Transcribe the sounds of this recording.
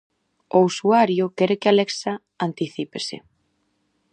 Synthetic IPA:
ousuaɾjokɛɾekɪaleksa | ant̪iθipesḛ

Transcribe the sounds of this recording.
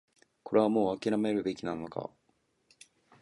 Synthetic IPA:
ko̞ɾʔe̞β̞amo̞ːakʲiɾame̞ɾɯ̟be̞kʲinãnːoka̰

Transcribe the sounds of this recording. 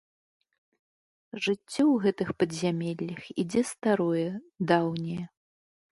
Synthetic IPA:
ʐɨt͡sʲːɔwɣɛt̪ɨxpɐd̪zʲamʲɛlʲːɐxid͡zʲɛst̪aɾɔjɛ | d̪awnʲɛjɛ

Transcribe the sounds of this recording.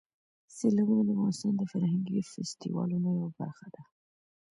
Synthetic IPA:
selawunad̪əafɣɑnɪst̪ɑnd̪əfaɾhaŋɡifɪst̪ḭwɑ̰lunojawaba̰ɾxad̪̥a

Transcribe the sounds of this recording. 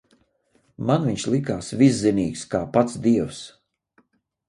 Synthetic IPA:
manviɲʲʃlˠikaːsvisːiniːkskaːpat̪sd̪iɛws

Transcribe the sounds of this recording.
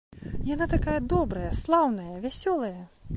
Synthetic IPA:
janat̪akajɐd̪ɔbɾɐjɐslˠawnɐjɐvʲasʲɔlˠɐjɐ

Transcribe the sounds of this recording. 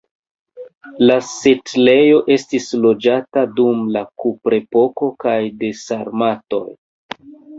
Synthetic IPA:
lasetle̞jo̞ʔe̞stislo̞d͡ʒatadumlakupɾe̞po̞ko̞kajde̞saɾmato̞̰j

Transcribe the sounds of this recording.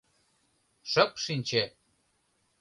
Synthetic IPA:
ʃə̆kʃinʲt͡ɕe

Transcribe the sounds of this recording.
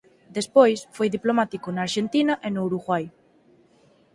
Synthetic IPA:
d̪espojsfojðiplomat̪ikonaːɾʃent̪inaʔenouɾuɣwaj

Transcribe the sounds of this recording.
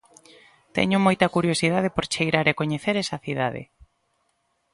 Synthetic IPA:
t̪ɛ̰ɲʊmojt̪ɐkuɾjosið̞að̞epoɾt͡ʃejɾaɾekoɲeθeɾɛsɐθiðaðɪ̰

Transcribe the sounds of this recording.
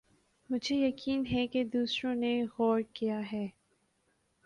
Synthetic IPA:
mʊd͡ʒʱejɐkiːnɦɛked̪uːsɾõneɣɔːɾkijaɦɛː

